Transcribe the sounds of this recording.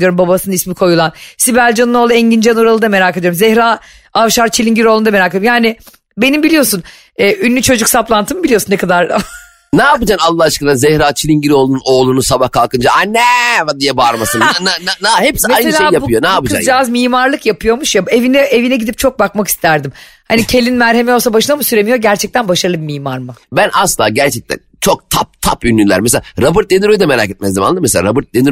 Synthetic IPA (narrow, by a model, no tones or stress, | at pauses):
jo̞ɾumbabasɯnɯismikʰo̞julˠansibælʲd͡ʒanɯno̞ːlˠɯɛɲɟind͡ʒanuɾalˠɯd̪ame̞ɾaːkʰed̪ijoumzɛhɾaː | avʃaɾt͡ʃʰilʲiɲɟiɾo̞lˠund̪ameɾaːkʰejoɾumjaːnɪ | be̞nimbilʲijo̞sun | ɛːʔynːʲyt͡ʃʰo̞d͡ʒuksaplˠant̪ʰɯmɯbilijo̞sunɛkʰad̪aɾ | naːpɯd͡ʒanalˠːahat͡ʃkalˠanzɛhɾaːt͡ʃʰilʲiɲɟiɾo̞ːlˠununoːlˠunusabahkʰalˠkɯnd͡ʒaanɛvad̪ijɛbaɾmasɯnnananahepsimajneɯlʲʃaejabʰɯjonaːpɯd͡ʒa̰d͡ʒazmiːmaɾlˠɯkjapʰɯjo̞muʃjabe̞vinɛevinɛɟid̪ip̚t͡ʃʰo̞k̚bakmaki̥st̪ʰæɾd̪im | hanicʰe̞lʲinmæɾhemeolˠs̬abaʃɯnamɯsyɾe̞mijo̞ɟæɾt͡ʃʰɛc̚t̪ʰænbaʃaɾɯlˠɯbimiːmaɾmɯbænʔaslˠa̰ːɟæɾt͡ʃʰɛc̚t̪ʰæ̰nt͡ʃʰo̞k̚t̪ʰap̚t̪ʰa̰pynːʲynlʲæ̰ɾmes̬eaaɾabɯɾt̪̚d̪eniɾøjd̪ɛmeɾa̰ːket̪mɛzimalˠɯmesea̰ɾabɯɾt̪̚d̪eniɾ